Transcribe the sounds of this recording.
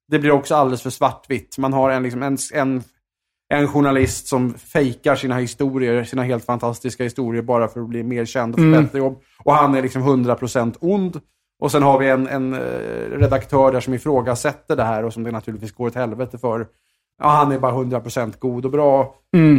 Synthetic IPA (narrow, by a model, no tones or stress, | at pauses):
d̪ɛblɪɾɔksɔald̪ɛləsfœʂvaʈːvɪt̪ːmanɦaɾɛnlɪksɔmɛnɛn | ʔɛnɧʊɳalɪst̪sɔmfɛjkaɾʂiːnahɪst̪uːɾɪəɾsiːnaɦeːlt̪fant̪ʰast̪ɪskahɪst̪uːɾɪəɾbɑːɾafœɾɔbliːmeːɾɕɛnd̪fœbɛt̪ɾəjɔbː | ɔhanæɾɭɪksɔmɦɵnd̪ɾapʰɾʊsɛnt̪ʰʊnd̪ | ʔɔsɛnɦaɾvɪɛnɛ̰nɾɛd̪akt̪ʰœːɖæːʂɔmɪfɾoːɡasɛt̪ːəɖɛɦæːɾɔsɔmd̪ɛnat̪ʰʉlɪt̪viːsɡoːɾɔt̪hɛlvɛt̪əfœɾ | ahanæɾbɑːɾaɦɵnd̪ɾapɾʊsɛnt̪ɡuːd̪ɔbɾɑː